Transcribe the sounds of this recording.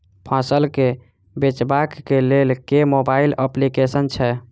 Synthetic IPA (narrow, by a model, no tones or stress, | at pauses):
pʰãsəlke | bet͡ʃbakːelelkemobailəplikesənt͡ʃʰɛ